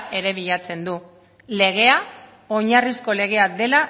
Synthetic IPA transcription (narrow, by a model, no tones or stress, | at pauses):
e̞ɾe̞β̞iʎat͡se̞nd̪u | le̞ɣ̞e̞a | o̞ɲarisko̞le̞ɣ̞e̞ad̪e̞la